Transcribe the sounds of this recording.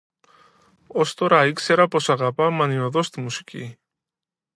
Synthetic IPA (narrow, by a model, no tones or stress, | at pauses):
ost̪oɾɐikseɾɐpo̞sɐɣɐpɐmɐnioðo̞st̪imusi̥cḭ